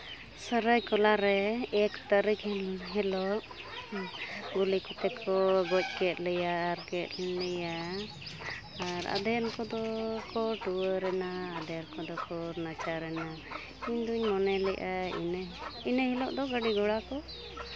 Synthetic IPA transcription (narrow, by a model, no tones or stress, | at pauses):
səɾəjkɔlaɾɛɛkt̪aɾikɛɦɛlɔʔ | ɡulikɔt̪ɛkʰɔɡɔc̚kɛt̪̚lɛjaɾkɛt̪lɛɲlɛja | aɾa̰d̪ɛjankɔd̪ɔkɔʈuəɾɛnaːd̪ɛjaɾkɔd̪ɔkɔɾnat͡ʃaɾɛna | iɲd̪uɲmɔnɛlɛʔaḭninəhɛlɔʔd̪ɔɡəɖiɡɔɽakɔ